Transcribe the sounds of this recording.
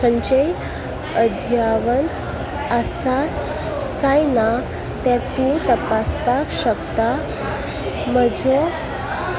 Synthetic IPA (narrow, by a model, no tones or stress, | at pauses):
ənt͡ɕej | əd̪ʱjaʋən | əsa | kajna | t̪jãt̪ũt̪əpaspakɕəkt̪a | məd͡zo